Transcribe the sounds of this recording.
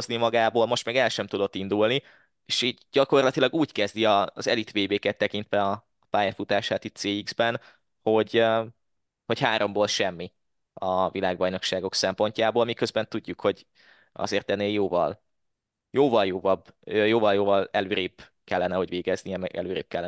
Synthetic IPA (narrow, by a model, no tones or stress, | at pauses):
oznimɒɡaːboːlmo̞ʃt̪mɛɡɛlʃɛmt̪ud̪o̞t̪ːind̪ulni | eːʃiːɟɟɒko̞rlɒt̪ilɒɡuːckɛzd̪iɒːzɛlit̪ʋeːbeːkɛt̪ːɛkint̪ʋɛɒ | paːjɛfut̪aːʃaːt̪it̪seːiɡzbɛn | ho̞ɟø | ho̞cɦaːɾo̞mboːlʃɛmːi | ɒvilaːɡbɒjno̞kʃaːɡo̞ksɛmpo̞ɲcaːboːlmikøzbɛnt̪uɟːukho̞ɟ | ɒ̰zeːrt̪ɛnːeːjoːvɒ̰l | joːvɒljoːvɒbøjoːvɒljoːvɒlɛløːɾeːb | kɛlːɛnɛho̞ɟveːɡɛznijɛmɛ̰ɡɛ̰løːɾḛːp̚kɛlːɛ